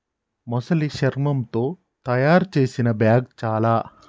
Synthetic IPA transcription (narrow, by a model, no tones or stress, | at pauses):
mɔsɐliʃɐɾmɐmt̪o̞ː | t̪ɐjaːɾt͡ʃe̞ːsinɐbjaːɡ̚t͡ʃaːlaː